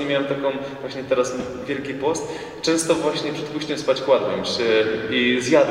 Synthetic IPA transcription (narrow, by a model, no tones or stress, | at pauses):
ɛmʲjawɛmt̪akɔ̃w̃ | vwaɕɲɛt̪ɛɾas | vʲjɛlkʲipɔst̪ | t͡ʂɛ̃w̃st̪ɔvwaɕɲɛpʂɛt̪puɕt͡ɕɛmspat͡ɕkwad̪wɛmɕɛizʲjad̪